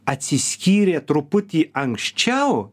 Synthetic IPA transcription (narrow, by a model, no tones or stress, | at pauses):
at͡siskʲiɾeat̪ɾuput̪iʔaŋʃt͡ʃaw